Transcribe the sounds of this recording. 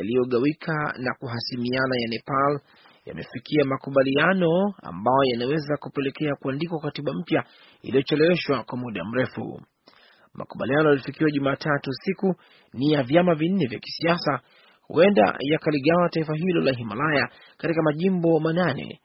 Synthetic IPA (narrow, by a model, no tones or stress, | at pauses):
alijɔɠawikʰana̰kuɦasimianajanɛpal | ja̰mɛfikʰiamakuɓalianɔa̰mbajɔjanawɛzakupɛlɛkɛakuandikwakatiɓam̩pja | ḭlijɔt͡ʃɛlɛwɛʃwakwamuɗa̰m̩ɾɛfṵ | ma̰kuɓa̰lianɔjalifikiwaʄumaːtʰatusiku | nijavjamavin̩ːɛvjaki̥siasa | hṵʔɛnda̰jakaliɠawataifaɦilɔlaɦimalaja | katikamaʄimbɔmananɛ̰